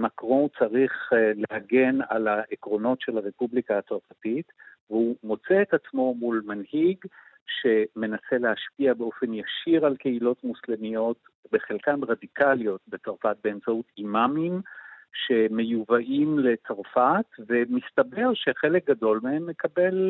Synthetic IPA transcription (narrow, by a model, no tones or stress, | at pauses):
makʁõt͡saʁiχlehaɡe̞na̰laʔekʁo̞no̞tʃe̞lhaʁe̞publikaːt͡saʁfatit | veumo̞t͡seːtat͡smo̞mulmanhiɡ | ʃe̞me̞nase̞le̞haʃpiabeo̞fe̞njaʃiʁalke̞ilo̞tmuslemijo̞t | be̞χelkanʁadikʰaljo̞tbet͡saʁfat̚be̞ːmt͡sautimamimʃe̞me̞juvaʔimle̞t͡saʁfatve̞mistabe̞ʁʃe̞χe̞lek̚ɡado̞lmehe̞mːe̞kabe̞l